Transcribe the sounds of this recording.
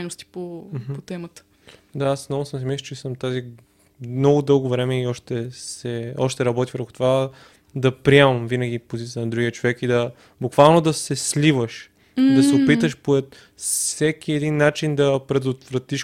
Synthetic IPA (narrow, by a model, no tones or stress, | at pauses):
nost̪i̥pom̩x̩pot̪ɛmət̪ə̥ | d̪aassnɔvʊsəmsɛmɛst͡ʃɛsəmt̪azi | nɔɡʊd̪ɤlˠɡovɾɛmɛiɔʃt̪ɛsɛɔʃt̪ɛɾɐbɔt̪ivɾɛxo̥t̪ova | d̪ɐpɾiɛmɐɐmvinɐɡ̟ipozit̪it̪ənɐd̪ɾuɡʲiət͡ʃovɛkid̪ɐ | bukvalˠnod̪ɐsɛslʲivəʃ | id̪ɐsɛopit̪əʃpoɛt̪ | sɛkiɛd̪inːat͡ʃind̪ɐpɾɛd̪ot̪vɾɐt̪iʃ